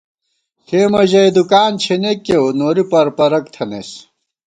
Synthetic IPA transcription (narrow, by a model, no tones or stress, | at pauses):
kʰeːmɐʑɐjd̪ukaːnt͡ɕʰenekːewnoːɾipɐɾpɐɾɐkt̪ʰɐnḛs